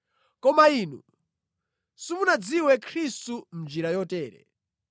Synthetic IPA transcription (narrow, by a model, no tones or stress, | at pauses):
kɔmaiːnṵ | simunad͡ziwɛkʰɾistum̩nd͡ʒiɾajɔtɛːɾɛ̰